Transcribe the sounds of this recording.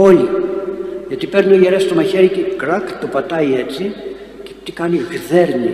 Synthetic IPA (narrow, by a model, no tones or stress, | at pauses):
o̞li | ʝɐt̪ipe̞ɾniojeɾest̪omɐçeɾicekɾɐkt̪opɐt̪ɐiet͡si | cet̪ikɐniɣðe̞ɾni